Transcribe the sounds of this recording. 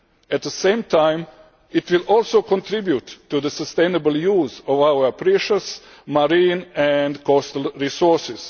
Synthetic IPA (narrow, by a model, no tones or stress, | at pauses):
ɛt̪̚d̪əsẽjmt̪ʰãjm | it̪ʋilolˠsoːkõnt̪ɾibjutːud̪əsəst̪ẽjnəbəlˠjuːzoʋawəpɾiʃəs | maɾĩːnɛnd̪kɔst̪əlɾisɔɾsɪs